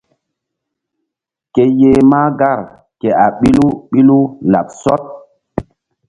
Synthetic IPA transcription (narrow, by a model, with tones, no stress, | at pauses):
ke˨je˨ma˦ɡa˦˨ɾ | ke˨a˨ɓi˦lu˦ɓi˦lu˦la̰˨p̚sɔ˦t̚